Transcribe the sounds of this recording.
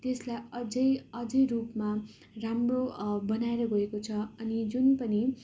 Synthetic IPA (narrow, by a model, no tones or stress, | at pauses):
t̪eslajʌd͡zʌjʌd͡zʌjrupma | ramrobʌnaeɾʌɡʌekot͡sʰʌʌnid͡zunpʌni